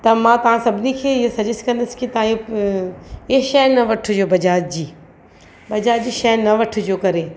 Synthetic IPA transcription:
t̪ɐmãːt̪ɐʋ̤ãsɐbʱɪnikʰeːɪɦosɐd͡ʑɪskɐ̃nd̪əsɪ̥kɪt̪ɐʋãjo | eʃɐɦnɐʋɐʈʰʊd͡ʑoːbɐd͡ʑaːd͡ʑiː | bɐd͡ʑaːd͡ʑiːʃɐɦnːɐʋɐʈʰʊ̆d͡ʑoːkɐɾeː

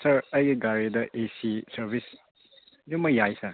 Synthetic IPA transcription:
sɐɾɐjɡiɡaɾidɐʔesisɐɾbʱis | numɐjajsɐɾ

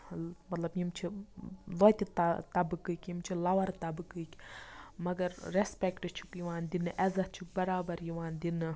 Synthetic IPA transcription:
mɐt̪lɐbjimt͡ʃʰiloːt̪ʲit̪t̪ɐbɨkɨkʲjimt͡ʃʰilɐʋɐɾt̪ɐbɨkɨki̥mɐɡɐɾːespekʈɨt͡ʃʰu̥kjiʋaːnd̪inɨʔɛzɐt͡ʃʰuk̚bɐɾaːbɐɾjiʋaːnd̪inɨ

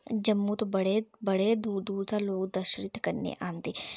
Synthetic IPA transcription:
d͡ʒəmːut̪obəɽebəɽed̪uːd̪uːɾt̪aloːɡd̪əʃɾɪt̪kəɾnḛʔãːnd̪eː

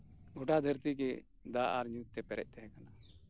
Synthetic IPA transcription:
ɡɔʈad̪ʱəɾt̪ikɛ | d̪aʔaɾɲuk̚t̪ɛpɛɾɛ̰c̚ˀt̪ɛɦɛ̃kana

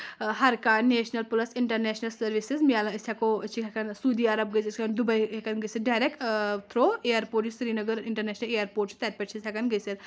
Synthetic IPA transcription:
ɦɐɾkaːneːʃnɐlpulɐsɪɳʈɐɾneːʃnɐlsɐɾʋisizmialɐisʰʲakot͡ʃʰikʰakɐnsuːd̪iːɐɾɐb̚ɡɐsiskɐnd̪ubɐjɦekɐnɡɐseɖaːɾekt̪ʰɾoːejɐɾpoːɾʈt͡ʃisɾiːnɐɡəɾiɳʈɐɾneːʃnɐlejɐɾpoːʈ̚t͡ʃi̥t̪ɐt̪̚ʲpʲɐʈt͡ʃʰisʰʲakɐnɡɐsel

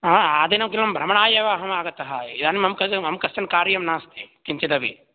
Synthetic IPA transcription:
aaːd̪enɐmk̬ilɐmbʱɾɐmɐɳaːjɐʋaːɦɐmaːɡɐt̪ːɐɦɐid̪aːnimɐmkɐmɐmkɐst͡ʃɐnkaːɾjɐmnaːst̪ikiɲt͡ʃid̪ɐʋḭ

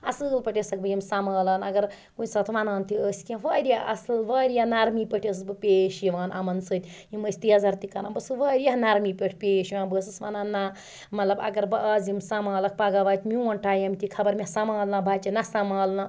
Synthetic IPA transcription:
ɐsɨlpɐʈʲesɐk̚bɨjimsamaːlɐːnɐɡɐɾ | kunsɐt̪ʰʋanaːnt̪ʰiəːsʲkʲẽʋɐːɾʲjaɐ̰sɨlʋɐːɾjanaɾmipəʈʰes̬ɨbɨpʲeːʃjiʋaːnʔɐ̰mɐnsɨt̪ʲjiməsʲt̪ijazɐɾt̪ikɐnanbɐsɨʋəːɾijaɦnaɾmipʲeʈʰpʲeːʃiʋãːnbəsɨsʋanaːnːa | mɐt̪lɐbɐ̰ɡɐɾbɐʔɐːzimsamaːlɐk̚paɡaʋaːt̪ʰʲmʲiwɐnʈaːjɐmt̪ʰikʰɐbɐɾmʲesamaːlnabʱaːt͡ʃinɐsamaːlna

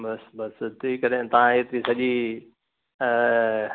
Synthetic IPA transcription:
bɐsbɐst̪ʰiːkɐɾet̪ɐʋ̤ãɦeːt̪isɐʄi

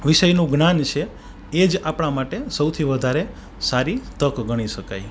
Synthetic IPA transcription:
ʋiʃəjnũɡnant͡ʃʰe | ed͡ʒapɽ̃amaʈesəwt̪ʰiʋəd̪ʱaɾe | saɾit̪əkɡʱəɽ̃iʃəkaj

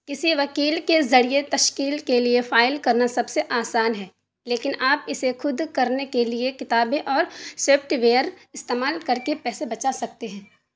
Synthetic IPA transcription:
kɪsiʋɐkiːlkezɐɽijet̪ɐʃkiːlkeliefaːɪlkɐɾnasɐbseʔaːsaːnɦɛː | leːkɪnaːpɪsexʰʊd̪kɐɾnekeliekɪt̪aːbẽʔɔːɾseːpʈʋeːəɾ | ɪst̪eːmaːlkɐɾkepɛːsebɐt͡ʃasɐk̚t̪eɦɛ̃ː

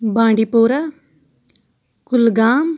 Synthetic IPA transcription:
bãːɳɖiːpoːɾaː | kʊlɡaːm

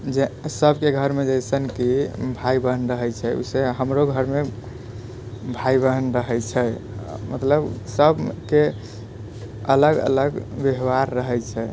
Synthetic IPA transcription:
d͡ʒesəbkeɡʱəɾmed͡ʒəjsənkibʱaibəɦənɾəɦɛt͡ʃʰɛṵseɦəmɾoɡʱəɾme | bʱaibəɦnɾəɦɛt͡ʃʰɛmət̪ləbsəbʱke | ələɡə̰ləɡbjəɦʋaɾːəɦɛjt͡ʃʰɛ

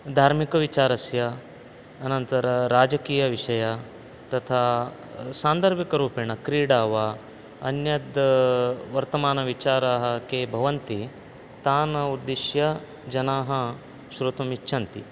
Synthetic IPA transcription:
d̪ʱaːɾmikɐʋit͡ʃaːɾɐsjɐː | nɐnt̪ɐɾɐɾaːd͡ʒɐkiːjɐʋiʂɐjɐ | t̪ɐt̪ʰaː | saːnd̪ɐɾbikɐɾuːpiɳɐkɾiːɽaːʋɐ | ɐnjɐd̪ | ʋɐɾt̪ɐmaːnɐʋit͡ʃaːɾaːɦɐkeːbʱɐʋɐnt̪i | t̪aːnɐud̪ːiʃjɐ | d͡ʒɐnaːɦɐ | ʃɾut̪ɐmitːʃʰɐnt̪i

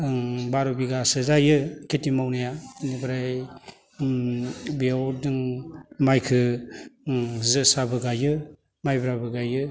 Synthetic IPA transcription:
baɾobiɡasɯzajɯkʰetimawnajanibɯɾaj | biawdɯŋmajkʰɯ | zɯsabɯɡajɯ | majbɾabɯɡajɯ

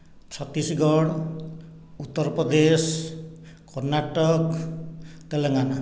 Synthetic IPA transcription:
t͡ʃʰʌt̪ːisiɡɔɽ | ut̪ːɔɾpɾɔd̪es | kɔrnaʈɔk | t̪eleŋana

